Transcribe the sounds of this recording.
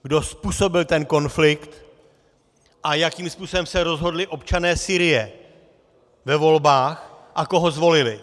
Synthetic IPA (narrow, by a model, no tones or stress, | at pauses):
ɡdo̞spuːso̞bɪlt̪ɛnko̞nflɪkt̪ | ʔajakiːmspuːso̞bɛmsɛɾo̞zɦo̞dlɪʔo̞pt͡ʃanɛːsiːɾɪjɛ | vɛvo̞lbaːxʔako̞ɦozvo̞lɪlɪ